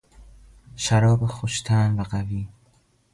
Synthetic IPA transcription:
ʃæɾɒːbexoʃt̪ʰænvæɢæviː

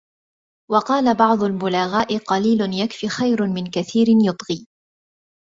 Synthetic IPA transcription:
wɑqɑːlabɑʕd̪ˤʊlmʊlaːɣaːʔɪqɑliːlʊnjakfiːxajɾmɪnkaθiːɾɪnjʊt̪ˤɣiː

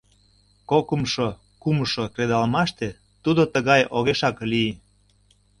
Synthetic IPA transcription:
kokəmʃo | kuməʃokred̪ɑlmɑʃt̪e | t̪ud̪ot̪əɣɑjoɣeʃɑklie

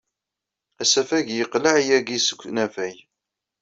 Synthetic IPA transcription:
æsæfæʝjəqləʕjæɡisə̥kʷːnæfæj

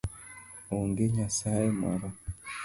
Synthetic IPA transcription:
oŋɡeɲasaema̰ɾo

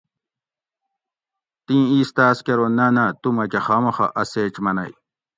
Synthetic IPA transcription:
t̪ĩːiːst̪aːskeɾonanat̪umɐkexaːmɐxa̰ʔɐseːt͡ɕmɐnɐj

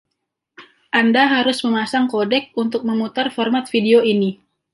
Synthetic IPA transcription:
ʔandaɦaɾʊsməmasaŋkodɛk̚unt̪ʊk̚məmut̪arfɔrmat̪̚fideoini

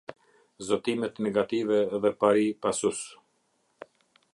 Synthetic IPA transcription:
zɔt̪imɛt̪nɛɡat̪ivɛːðɛpaɾipasus

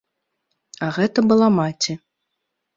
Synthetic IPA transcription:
ɐɣɛt̪ɐbɨlˠamat͡sʲi

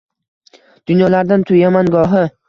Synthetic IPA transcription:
d̪̥ʊnjɒlaɾd̪ant̪ʰʊjamanɡɒɦɪ

